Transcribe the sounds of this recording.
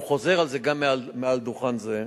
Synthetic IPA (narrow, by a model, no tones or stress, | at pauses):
χo̞zeʁalzeɡamːealmeald̪uχanze